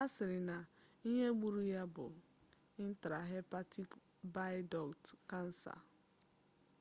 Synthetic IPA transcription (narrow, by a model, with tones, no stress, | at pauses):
a˦sɪ˨ɾɪ˨na˨ | i˦ɲe˦ɡ͡bu˦ɾu˦ja˦bʊ̰˨ | ɪ˦n̩˦ta˨ɾa˨ɦe˦pa˦ti˦k | ba˦ɪ˦dɔ˨ktka˦n̩˦sa̰˨